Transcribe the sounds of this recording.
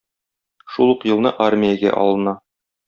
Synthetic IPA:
ʃulˠuqjɤ̆lˠnɤʔarmʲijəɡæ̰ʔɒ̰lˠɤ̆nɑ

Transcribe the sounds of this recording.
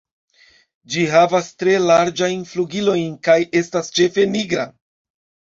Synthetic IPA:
d͡ʒiɦavastɾe̞laɾd͡ʒajnfluɡilo̞jnkajʔe̞stast͡ʃe̞fe̞niɡɾa

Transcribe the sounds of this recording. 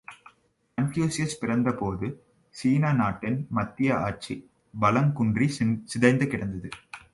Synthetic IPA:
ɐntjoːsɪjɐspɪɾɐnd̪ɐpoːðɯ | siːnaːnaːʈːɪnmɐt̪ːɪjɐʔaːʈ̚t͡ʃi | bɐlɐŋkʊɳdrisɪðɐɪnd̪ɯkːɪɽɐnd̪ɐðɯ

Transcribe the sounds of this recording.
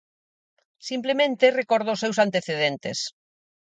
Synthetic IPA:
simplemẽnt̪erekɔɾð̞oʊsewsant̪eθeð̞ent̪ḛs

